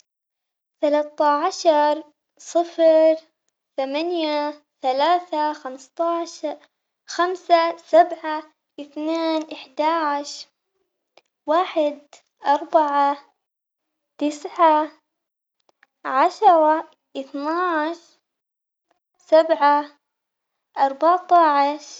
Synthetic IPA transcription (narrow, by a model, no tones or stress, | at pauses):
θalaːt̪aʕaʃɑɾˤ | sˤɨfɾ | θamanja | θalaːθaxamst̪ˤɑʃ | xamsasabʕa | ʔɪθneːnʔɪħd̪aʕʃ | waːħɪd̪̚ | ʔɑɾˤbaʕa | t̪ɪsʕa | ʕaʃɾˤɑ | ʔɪθnaːʕʃ | sabʕa | ʔɑɾˤbɑʕt̪ˤɑʕʃ